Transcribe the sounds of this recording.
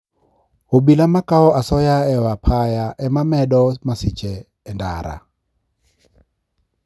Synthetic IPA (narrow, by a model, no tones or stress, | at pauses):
obilamakaɔʔasɔjaɛwapʰajaʔɛmamɛdɔmasit͡ʃɛː | nda̰ɾa̰